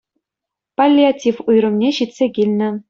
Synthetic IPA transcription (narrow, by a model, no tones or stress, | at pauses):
palʲːiatʲifujɾɤ̆mnʲeɕit̪ʲsʲeɡʲilʲnʲɘ̆